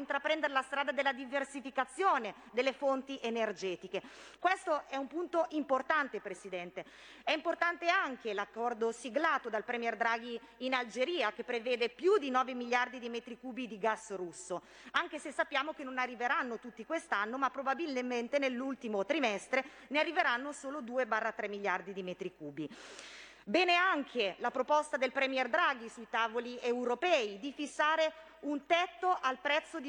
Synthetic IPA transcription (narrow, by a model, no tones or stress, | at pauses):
int̪ɾapɾɛnd̪eɾelast̪ɾaːd̪ad̪elːad̪iversifikat̪sːjoːne | d̪elːefont̪iʔenerd͡ʒɛːt̪ikekwest̪oʔɛumpunt̪oʔimport̪ant̪epɾesid̪ɛnt̪e | ɛimport̪ant̪eaŋkelakːɔrd̪osiɡlaːt̪od̪alpɾɛmjɛrd̪ɾaːɡ̟iː | nald͡ʒeɾiːak̟epːɾevɛːd̪epjud̪inɔːvemiljard̪id̪imɛt̪ɾikuːbid̪iɡasrusːo | aŋkesesːapːjaːmokenonarːiveɾanːot̪ut̪ːikwest̪anːomapːɾobabilmment̪enelːult̪imot̪ɾimɛst̪ɾe | nearːiveɾanːosoːlod̪uːebaːrːat̪ɾɛmːiljard̪id̪imɛːt̪ɾikuːbi | bɛːneaŋkʰelapɾopɔst̪ad̪elpɾɛmjɛrd̪ɾaːɡ̟isuit̪aːvoliewɾopɛːid̪ifisːaːɾe | unt̪ɛt̪ːoʔalpɾɛt̪sːod̪